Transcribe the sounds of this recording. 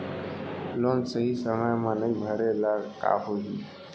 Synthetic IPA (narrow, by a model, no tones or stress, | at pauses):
lonsəɦisəməjmanəibʱəɾelaɾka̰poɦi